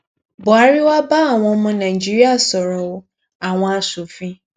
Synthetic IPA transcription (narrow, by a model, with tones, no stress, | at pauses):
bʊ˨a˨˦ɾi˦wa˦ba˦a˦˨w̃ɔ̃˧˦mũ˦nã˨i˨d͡ʒi˦ɾi˦a˦˨sɔ˨ɾɔ̃˨o˦ | a˨w̃ɔ̃˦a˨su˨fĩ˦